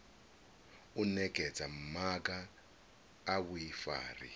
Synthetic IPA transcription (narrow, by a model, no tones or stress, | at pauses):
unɛkʼɛt͡sʼam̩mak̬ʼaː | βuifa̰ːrḭ